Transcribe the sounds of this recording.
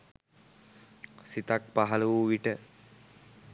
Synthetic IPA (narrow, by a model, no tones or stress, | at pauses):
sit̪ak̚paɦɐluʋuʋiʈə